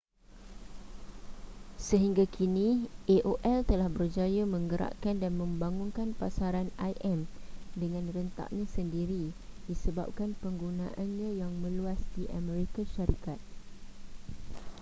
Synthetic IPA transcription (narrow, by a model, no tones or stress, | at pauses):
səɦiŋɡakʰinĩʔeʔoʔɛlt̪əlahbərd͡ʒajamə̃ŋɡəɾa̰ʔkandanmə̃mbaŋũnkanpasaɾanajʔɛmdəŋãnrənt̪a̰ʔ̚ɲãsəndiɾidisəba̰p̚kanpəŋɡunã̰ʔanɲãjaŋmə̃luasdiʔa̰mɛ̃ɾikaʃaɾikat̪̚